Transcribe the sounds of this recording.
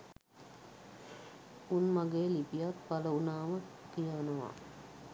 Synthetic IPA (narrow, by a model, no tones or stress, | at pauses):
unmaɡejːlipijat̪paləunaːməkijəʋənəʋa̰